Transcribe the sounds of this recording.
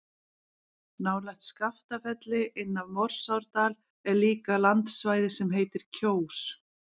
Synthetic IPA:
naːwlajxt̪skaft̪afɛt̪lɪʔɪnːavmɔr̥sawɾt̪aːl | ɛɾliːkalant̪svaːjðɪsɛmɦeːjt̪ɪɾ̥cʰoːws

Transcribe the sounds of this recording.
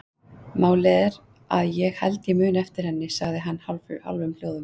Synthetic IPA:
maːwlɛðɾ | aðjɛɣhɛ̰lt̪ɪmʏːnɛft̪ɪɾ̥hɛnːɪsaɣðɪɦanːhalfʏ̰ha̰lvʏml̥joːwðʏm

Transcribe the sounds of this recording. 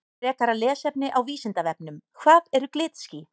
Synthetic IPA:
ɛːkaɾalɛːsɛpnɪʔawviːsɪnt̪avɛp̚nʏmkʰvaːðɛɾʏklɪːt̪sci

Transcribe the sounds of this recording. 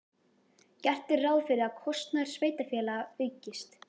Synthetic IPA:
cɛr̥t̪ɪɾraːwðfɪɾɪɾaðkʰɔst̪naɾ̥sveːjt̪afjɛːlaaʏɥcɪst̪

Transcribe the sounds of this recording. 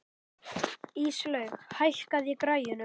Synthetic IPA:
iːslœːɥxhajl̥kaðjɛkɾaːjʏnʏ

